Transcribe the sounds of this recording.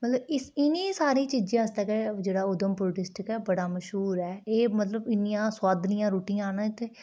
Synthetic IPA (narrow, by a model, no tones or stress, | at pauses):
mət̪ləbɪsɪnĩːsaːɾĩːt͡ʃiːd͡ʒãːəst̪aːked͡ʒeːɽaːʊd̪əmpoʈɪsʈɪkɛːbəɽaːməʃɦuːɾɛːeːmət̪ləbɪnɪjãːswaːd̪nĩjãːɾuːʈijãːnãːt̪ːeː